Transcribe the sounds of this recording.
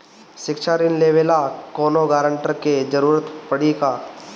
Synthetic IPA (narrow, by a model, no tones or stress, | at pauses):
ʃɪkʃaɾɪnleːʋeːlakoːnoɡaːɾəɳʈəɾked͡ʒɐɾuːɾət̪pəɽika